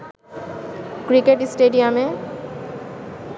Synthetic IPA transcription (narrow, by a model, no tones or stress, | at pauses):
kɾikeʈsʈeɖijame